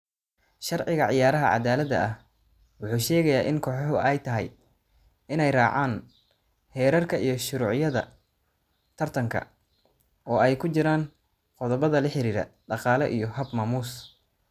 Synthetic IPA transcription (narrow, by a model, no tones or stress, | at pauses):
ʃɑrʕɪɣɐʕɪjaːɾɐɦɐʕɑ̰d̪aːlɐd̪ɐ̰ʔɐh | wʊħuːʃɛːɣɐjaːʔɪnkʰɔːħɔɦʊɛjt̪ʰɐɦɛ̰j | ɪnɛjrɑːʕaːn | hɛːɾɐrkʰɐijɞʃʊɾuːʕjɐðɐ̰ | t̪ʰɐrt̪ʰɐŋkʰɐ̰ | ɔːɛjkʰʊt͡ʃɪɾaːn | qɔðɔβɐðɐlɪħɪɾiːɾɐ̰ɖɑqɑːlɛʔijɞɦɐbmaːmuːs